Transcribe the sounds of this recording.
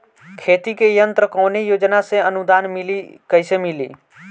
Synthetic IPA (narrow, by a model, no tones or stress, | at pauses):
kʰet̪ikejənt̪ɾəkəwnejod͡ʒnasẽənud̪anmilikəjsemilḭ